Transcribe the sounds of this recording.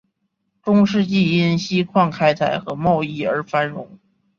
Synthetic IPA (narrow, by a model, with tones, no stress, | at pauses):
ʈ͡ʂʊ˥ŋʂɻ̩˥˧t͡ɕi˥˩i˥nɕi˥kʰwɑ˥˩ŋkʰa˥ɪt͡sʰa˨˩ɪxɤ˧˥mɑ˥˧ʊi˥˩ə˞˧˥fa˥nɻʊ˧˥ŋ